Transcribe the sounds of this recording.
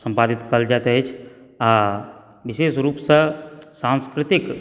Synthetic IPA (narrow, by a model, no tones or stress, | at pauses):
səmpad̪it̪kəld͡ʒat̪ɦət͡ʃʰ | a | bisesɾuːpsə̃sãnskɾɪt̪ik